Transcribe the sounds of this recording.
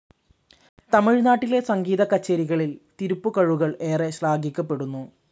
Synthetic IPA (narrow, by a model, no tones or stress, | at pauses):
t̪ɐmiɻnaːʈːile̞sɐŋɡiːðɐkɐt͡ɕːɐɾiɣɐɭilt̪iɾupːukɐɻuɣɐɭe̞ːreɕlaːɡikʲːɐpːe̞ɽunːu